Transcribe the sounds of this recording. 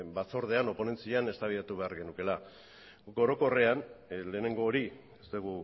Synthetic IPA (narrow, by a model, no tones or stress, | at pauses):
bat͡so̞ɾð̞e̞ano̞po̞ne̞nt͡siane̞st̪aβilat̪uβe̞aɾɣe̞nuke̞la | ɡo̞ɾo̞ko̞re̞anle̞ːne̞ŋɡo̞ːɾi | est̪eɣ̞u